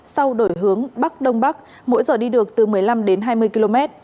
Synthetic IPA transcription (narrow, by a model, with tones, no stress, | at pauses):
sa˧wɗo˧˩jɦɨ˨˦əŋɓa˦˥k̚ɗə˧wŋ͡mɓa˦˥k̚ | mo̰˧˥jzɔ˨˩ɗi˧ɗɨ˨˩ək̚t̪ɨ˨˩mɨ˨˩əjla˧mɗe˨˦nɦaː˧jmɨ˧əjki˧lo˧mɛ˦˥t̚